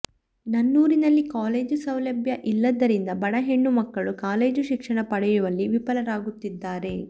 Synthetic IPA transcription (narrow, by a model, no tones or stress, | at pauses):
nɐnːuːɾinɐlːikaːle̞ːd͡ʒusɐwlɐbʱjɐʔilːɐd̪ɐɾind̪ɐbɐɽɐɦe̞ɳːumɐkːɐɭukaːle̞ːd͡ʒuʃikʂɐɳɐpɐɽɐjuʋɐlːiʋipɐlɐɾaːɡut̪ːid̪ːaːɾe̞